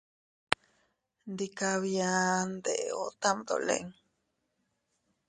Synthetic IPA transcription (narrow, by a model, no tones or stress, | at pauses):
nd̪ikaβiand̪eʔo̰t̪amd̪o̰lḛŋ